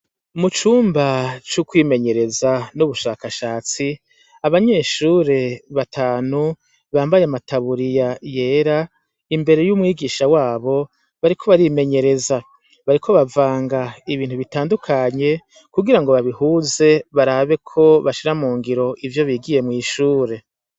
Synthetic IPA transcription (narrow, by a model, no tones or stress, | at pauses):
mut͡ʃuːmbat͡ʃukwiːme̞ɲe̞ɾe̞zanuβuʃaːkaʃaːt͡si | aβaɲe̞ːʃuɾe̞βatʰaːnu | βaːmbajamataβuɾijaje̞ːɾa | imbe̞ɾe̞jumŋiːɡiːʃawaːβo̞ | βaɾikʰo̞βaɾime̞ɲe̞ɾe̞za | βaɾikʰo̞βavaːŋɡaiβiːntuβitaːndukʰaɲe̞ | kuɡiɾaŋɡo̞βaβihuːze̞βaɾaβe̞kʰo̞βaʃiɾamuːŋɡiɾo̞ʔivjo̞βiːɡije̞mŋiːʃuːɾe̞